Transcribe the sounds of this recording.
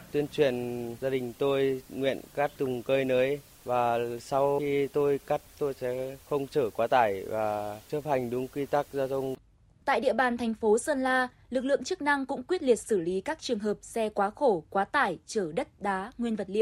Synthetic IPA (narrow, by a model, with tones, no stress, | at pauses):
t̪wi˧ənt͡ɕwi˨˩˨ənzaː˧ɗï˨˩ŋ̟t̪o˧jŋwḭ˧˨ənka˦˥t̚t̪ʊ˨˩ŋ͡mkəː˧jnəː˨˦j | vaː˨˩sa˧wi˧t̪o˧jka˦˥t̚t̪o˧jsɛ̰˧˥xə˧wŋ͡mt͡ɕəː˧˩kwaː˨˦t̪aː˧˩jvaː˨˩t͡ɕɨ˦˥əp̚ha˨˩jŋ̟ɗʊ˨˦ŋ͡mkwi˧t̪a˦˥k̚zaː˧t̪ʰə˧wŋ͡m | t̪a̰ː˧˨jɗḭ˧˨əɓaː˨˩nt̪ʰɛ˨˩ŋ̟fo˨˦səː˧nlaː˧ | lɨ˨˩k̚lɨ̰˧˨əŋt͡ɕɨ˦˥k̚na˧ŋkʊ̰˧˥ŋ͡mkwi˦˥ət̚li˨˩ət̚sɨ˧˩li˨˦kaː˦˥k̚t͡ɕɨ˨˩əŋɦəː˨˩p̚sɛ˧kwaː˨˦xo˧˩kwaː˨˦t̪aː˧˩jt͡ɕəː˧˩ɗə˦˥t̚ɗaː˨˦ŋwi˧ənvə˨˩t̚lḭ˧˨w